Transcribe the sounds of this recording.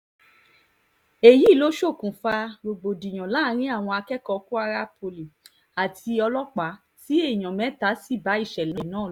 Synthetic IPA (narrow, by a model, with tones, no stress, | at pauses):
e˨ji˨˦˨lo˨˦ʃo˦˨kũ˨fa˧ɡ͡bo˨ɡ͡bo˨di˨j̃ã˨la˦ɾ̃ĩ˦a˦˨w̃ɔ̃˧a˧kɛ˦kɔ˧ku˦a˧ɾa˦po˧li˨ | a˨tʰi˧ɔ˧lɔ˦k͡pa˨˦ | ti˦e˦˨j̃ã˨mɛ̃˨˦ta˨˦si˦˨ba˨˦i˦˨ʃɛ˨lã˨nãː˨˦˨